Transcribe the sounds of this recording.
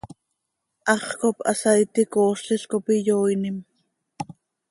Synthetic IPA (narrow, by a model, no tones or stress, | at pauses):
ʔɑχkopʔɑ̰sɑjt̪ikoːsiskopijoːjnim